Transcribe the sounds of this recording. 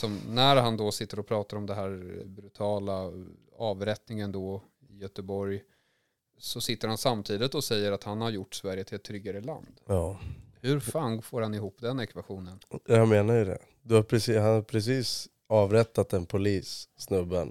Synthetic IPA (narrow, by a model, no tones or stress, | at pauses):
sɔmnæɾɦand̪ɔsɪt̪ːəɾɔpʰɾɑːt̪aɾɔmd̪ɛnɦæːɾbɾɵt̪ʰɑːla | ɑːvɾɛt̪nɪŋənd̪ɔ | ɪjœt̪əbɔɾj | sɔsɪt̪ːəɾhansamt̪ʰiːd̪ɪt̪ɔsɛjːəɾat̪hanhaɾjʊʈːsvæɾjət̪ʰɪlɛt̪ʰːɾʏɡaɾəla̰nd̪jɑːhɵɾfaŋfoːɾhanɪɦuːpːd̪ɛnɛkvaɧuːnənameːnajɵd̪ɛ̰ | d̪ɵhaɾpʰɾɛshanaɾpʰɾɛs̬iːs | ɑːvɾɛt̪ːat̪ɛnpʰʊliːsːnɵbːən